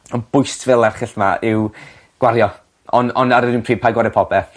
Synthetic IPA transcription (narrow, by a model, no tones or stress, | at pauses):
ɔnb̥ʊjstʰvɛlˠɛrχɪɬmaɪw | ɡ̥waɾjɔ | ɔnɔ̰naɾəɪnunpʰriːpʰajɡwaɾjɔpʰɔbɛ